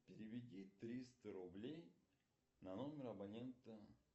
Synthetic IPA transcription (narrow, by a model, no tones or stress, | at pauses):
pʲɪɾʲɪvʲɪdʲit̪ɾʲist̪əɾʊblʲej | nɐno̞mʲɪɾɐbɐnʲe̞nt̪ə